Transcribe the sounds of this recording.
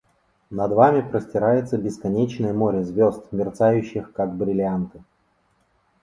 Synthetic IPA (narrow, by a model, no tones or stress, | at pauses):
nɐd̪vamʲɪpɾəsʲtʲɪɾajɪt̪səbʲɪskɐnʲet͡ɕnəjəmo̞ɾʲɪzʲvʲo̞st̪mʲɪrt̪sajʉɕːɪxkaɡ̚bɾʲɪlʲant̪ɨ̥